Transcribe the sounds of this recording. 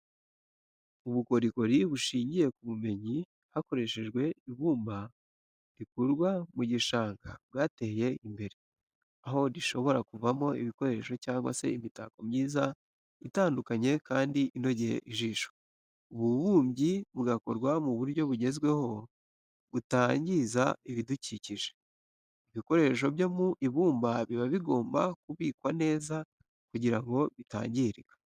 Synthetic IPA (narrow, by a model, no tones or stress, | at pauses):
uβuko̞ɾiko̞ɾiβuʃiːɲɟije̞kuβume̞ɲi | hako̞ɾe̞ʃe̞ʒɡwe̞iβuːmba | ɾikuɾɡwamuɟiʃaːŋɡa̰βɡaːte̞je̞imbe̞ɾe | aɦo̞ɾiʃo̞βo̞ɾakuvamo̞iβiko̞ɾe̞ʃo̞caːŋɡwa̰se̞̰imita̰ko̞mɲiːza | βitaːndukaɲe̞kaːndiʔino̞ɟejḛʔiʒiːʃo̥ | uβuβuːmɟiβuɡako̞ɾɡwamuβuɾjo̞βuɟe̞zɡwe̞ho̞ | βutaːɲɟizaiβiduciciʒe | iβiko̞ɾe̞ʃ̬o̞bjo̞muʔiβuːmbaβiβaβiɡo̞ːmba̰kuβiːkwane̞ːza | kuɟiɾaŋɡo̞βita̰ːɲɟiɾiɡḁ